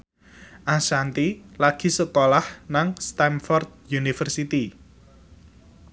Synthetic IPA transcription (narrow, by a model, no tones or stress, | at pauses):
ʔasant̪ilaɡ̥i̤səkolahnaŋst̪amfɔrd̪̚junifərsit̪i